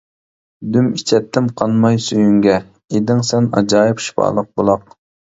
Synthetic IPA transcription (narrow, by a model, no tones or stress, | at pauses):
d̪ymit͡ʃʰɛt̪ʰːɪmqʰɑnˠmɑjsyjyŋɡʲɛ | ed̪ɪŋsɛnɑ̰d͡ʒɑːɪpʃi̥pɑ̰ːlˠəq̚bolˠɑq